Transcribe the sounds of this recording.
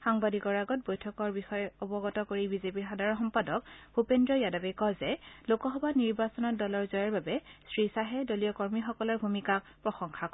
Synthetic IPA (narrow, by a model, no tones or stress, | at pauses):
xaŋbadikɔɹaɡɔt̚bojtʰɔkɔɹbixɔjɛɔbɔɡɔtɔkoɹibizepiɹxadʱaɹɔnxɔmpadɔk̚bʱupendɹɔjadabɛkɔzɛlokɔxɔbaniɹbasɔnɔtdɔlɔɹzɔjaɹbabɛsɹisaɦɛdolijɔkɔɹmixɔkɔlɔɹbʱumikak | pɹɔxɔŋxʰak